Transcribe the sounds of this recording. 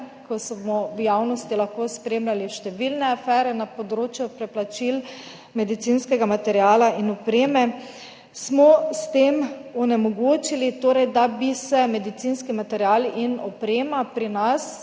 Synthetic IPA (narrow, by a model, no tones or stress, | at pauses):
kɔsbmɔwjawnɔst̪ilaxkoːspɾeːmlʲaliʃt̪ɛʋilnɛafɛːɾɛnapɔd̪ɾoːt͡ʃjupɾɛplat͡ʃil | mɛd̪it̪sinskɛɡamat̪ɛɾjaːlainɔpɾeːmɛ | smɔst̪eːmɔnɛmɔɡoːt͡ʃilit̪oːɾɛjd̪abisɛmɛd̪it̪sinskimat̪ɛɾjalinɔpɾeːmapɾinas